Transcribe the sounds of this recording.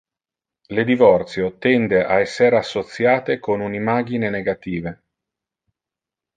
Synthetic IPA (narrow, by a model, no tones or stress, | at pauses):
led̪ivɔrt̪sjot̪ɛnd̪eʔaɛsːeɾasːot̪sjaːt̪ekonunimaːɡ̟ineneɡat̪iːve